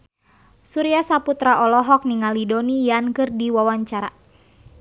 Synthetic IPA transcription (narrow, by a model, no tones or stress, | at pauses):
suɾiasaput̪ɾaʔɔlɔɦɔk̚niŋalidonijankɨrdiwawaɲt͡ʃaɾa̰